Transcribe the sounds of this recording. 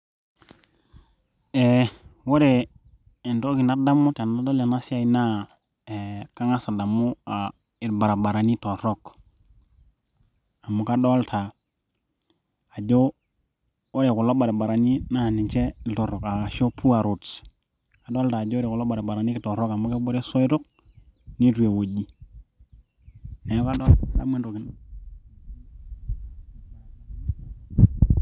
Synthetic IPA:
e˨wo˦ɾe˨ | e˨nto˦ki˨na˦da˦mːu˦ta˨na˦do˦la˨na˦si˦a˨i˦na˦ | e˨ka˦ŋa˦sa˨da˨mu˦a˨ | e˨dba˨ɾa˨ba˨ɾa˨ni˦to˨ɾo˦k | a˨mu˨ka˦do˦ltʰa˨ | d͡ʒo˦ | o˦ɾe˨ku˨lo˦ɓa˨ɾe˨ba˨ɾa˨ni˦na˦˨ni˨nt͡ʃe˦to˨ɾɔ˨ka˨a˨ʃo˦pʰu˦a˨ɾu˨s | a˨ɗo˦ltaː˨d͡ʒɾe˨ku˨lo˦ɓa˨ɾe˨ba˨ɾa˨ni˦ki˨to˨ɾo˦ka˨mo˦ke˦bo˦ɾe˦so˦jɾu˦k̚ | ni˦tu˨je˨wo˨ɟi˦ | ne˨jo˦ka˦do˦la̰˦me˦nɾu˨ki˨˦n

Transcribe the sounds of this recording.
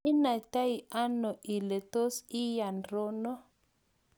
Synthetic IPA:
i˦na˨ta˦jʔa˦no˨ʔi˨le˨to˦si˦ja˨nɾo˦no˦

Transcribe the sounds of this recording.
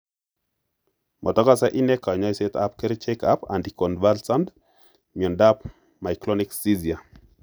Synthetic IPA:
mʔɔ˨tɔ˦ka˦sɛ˦ʔi˦nɛ˦ka˨ɲɔ˦jse˦ta̰˦p̚ke˦ɾe˦t͡ʃeka˦pa̰˨ndikɔ˨nva˦lsa˦nd | mi˨ɔ˨ndap | ma˨jklɔnɪksi˦zi˨a˨

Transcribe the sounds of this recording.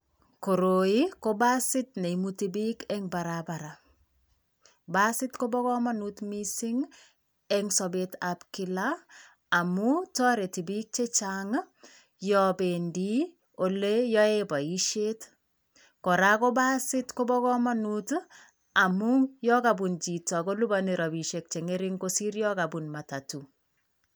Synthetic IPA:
ko˨ɾo˨i˦ko˦ba˦sɪ˦tne˨i˨muti˨bi˦kɛ˦ŋba˨ɾaba˨ɾa | ba˦sɪ˦tko˦bɔ˦kɔ˦ma˦nu˦tmisi˦ŋ | ɛŋsɔ˨betapki˨laː˨ | mutɔ˦ɾe˨ti˨bi˦k̚t͡ʃe˦t͡ʃaŋ | jɔbe˨ndi˦ | o˨le˦jɔ˦ebɔ˨iʃe˦t | kɔ˨ɾa˦ko˦ba˦sɪ˦tko˦bɔ˦kɔ˦ma˦nut | a˨muŋjɔ˦kabu˨nt͡ʃi˨tɔ˨ko˦lu˦bani˨ɾɔ˨bi˨ʃek̚t͡ʃe˨ŋe˦ɾɪ˦ŋkosi˦ɾjɔ˦kabunma˨ta˨tu˨

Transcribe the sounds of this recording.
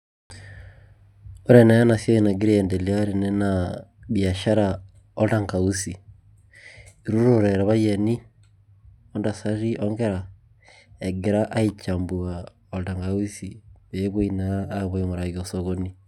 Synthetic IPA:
ɔ˦ɾɛna˦a˦na˨sjɔ˦i˦na˨ɡi˦ɾi˦ɛ˨ndɛ˨lia˦ɾinɛ˦naβja˨ʃa˦ɾa | ɔ˦taŋka˨u˦si˨ | iɾu˦ɾoɾɛɾa˨βa˦jɛni˦ | ɔ˦nda˨sa˦ɾi˦ʔɔŋɡɛ˦ɾa | ɛ˨ɡe˨ɾa˦ʔa˦it͡ʃambu˨a | ɔ˨lta˨ŋɡa˨u˦si˨βe˨˦βo˦inaːβoimo˨ɾa˨ɣiɔsɔɣoni˦

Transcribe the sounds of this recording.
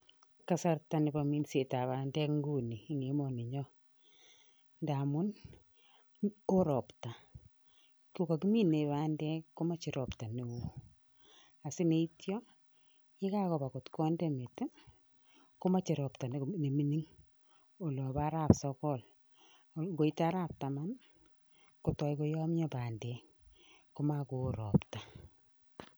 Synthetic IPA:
ka˨sa˦ɾta˨nɪ˨ba˨mi˦nse˨ta˨βa˨ndɛ˦kŋɡu˦ni˨˦ŋe˨˦mɔ˨nɪ˨ɲɔ˦ | nda˨mʊ˦n | o˦ɾɔ˨pta˨ | ku˦ka˨ki˦mi˦ne˨βa˦ndɛ˦kkːo˦ma˦t͡ʃɪ˨ɾɔ˨pta˨ni˨wu˨ | a˨sɪ˦ne˦itjɔ˦ | e˦ka˦kɔ˨ba˨kɔ˨tkɔ˦ndɛ˦me˨t | ko˦ma˦t͡ʃi˨ɾɔ˨pta˨n˨ne˨mi˦ni˦ŋ | o˨lɔ˨βa˦ɾa˨psɔ˦kɔ˦l | ɡo˨i˦ta˦ɾa˦p̚ta˨ma˦n | ko˨tɔ˨jko˦jɔ˦mɲɔ˦paː˨ndɛ˨ | ko˦ma˦ko˨ɾɔ̰˨pta˨

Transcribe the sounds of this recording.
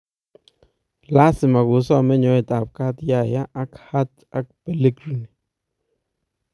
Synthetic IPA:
la˦sɪ˨ma˨ɡʊ˨˦s̬ɔ˦˨mɛ˦ɲɔ˨˦ɪ˨ta˨p̚ka˦tja˦˨ja˦ʔa˦kha˦t | a˦k̚pe˨le˦ɡɾi˨ni˨

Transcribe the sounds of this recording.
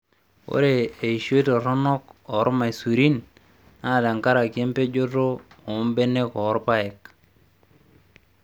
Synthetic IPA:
o̰˦ɾe˨e˨i˨ʃe˦to˨ɾɔ˦nɔ˦kɔ˨˦ɾma˨i˨su˨ɾi˦n | a˦˨da˨ŋka˦ɾa˨ki˨e˦mpe˦d͡ʒo˦to˦ | o˨˦mbe˦ne˦kɔ˨˦ɾpa˦ɛ˨k

